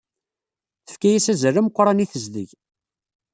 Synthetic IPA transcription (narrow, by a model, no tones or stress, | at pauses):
θə̥fkæjæsæzərəmqʷːɾˤɑniθəzðə̰ʝ